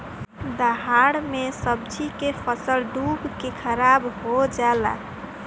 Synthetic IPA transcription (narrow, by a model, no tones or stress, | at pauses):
d̪əɦaɽmesəb̚d͡ʒikepʰəsəlɖubkekʰəɾabɦod͡ʒala̰